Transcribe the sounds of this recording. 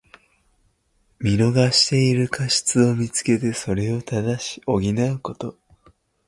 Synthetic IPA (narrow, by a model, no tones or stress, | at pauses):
mʲiɾo̞ɡaɕi̥t̪e̞iɾɯ̟kʰaɕi̥t͡sɨo̞mʲit͡sɨ̥ke̞t̪e̞so̞ɾe̞o̞t̪ad̪aɕi̥o̞ɡʲinaɯ̟ko̞t̪o̞